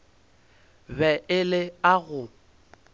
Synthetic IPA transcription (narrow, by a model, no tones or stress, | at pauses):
bɛʔɪlɪaɣʊ